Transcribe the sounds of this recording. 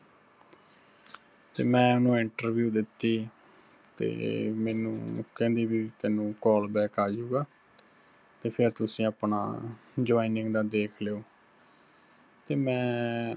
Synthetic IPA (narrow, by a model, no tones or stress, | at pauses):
t̪ḛːmɛ̃ːʊnũːɪɳʈəɾʋjuːd̪ɪt̪ːiː | t̪ḛːmɛːnṵ̃ːkɛ̃ːnd̪iːbiːt̪ɛːnũːkɔːlbɛːkaːd͡ʒuːɡaː | t̪eːpʰɪɾt̪ʊsĩːapna̰ːd͡ʒoːiːnɪŋɡd̪aːd̪eːkʰleːoː | t̪eːmɛ̃ː